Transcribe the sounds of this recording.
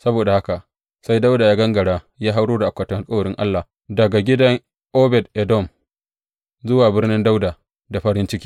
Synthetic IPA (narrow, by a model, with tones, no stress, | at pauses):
sɐ˦boː˨da˨ha˦ka˨ʔ | sa˦jda˦wdaː˨jaː˦ɡɐ˦ŋɡɐ˨ɽaː˦ | jaː˦ɦa˦wɽoː˦da˨ʔa˨kʷːɐ˨tɐ˨ha˨lkʼa˦˨ɽɪ˦ŋʔa̰˦lːa˨ | dɐ˨ɡa˨ɡʲɪ˦dɐ˦ŋ | ʔoː˦bɛ˨d̚ʔɛ˨dɔ˦˨m | zʊ˦waː˨bɪ˦rnɪ˦nda˦wdaː˨ | da˨ɸɐ˦ɾɪ˦nt͡ʃɪ˦kʲiː˦